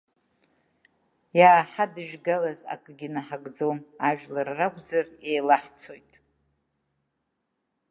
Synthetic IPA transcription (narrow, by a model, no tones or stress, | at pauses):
jaːħadɨʒᶣɡalaza̰kʼɡʲinaħaɡʼd͡zomaʒᶣlarːakʷʼzare̞jlaħt͡sʰo̞jtʼ